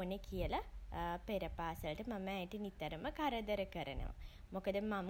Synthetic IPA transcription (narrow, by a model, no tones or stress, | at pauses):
onekijɐlɐpeɾɐpaːsɐlʈɨmɐmɐaːjiʈːinit̪ːɐɾɐmɐkɐɾɐd̪ɐɾɐkɐɾɐnɐ̰ʋa̰mokɐd̪ɨmɐm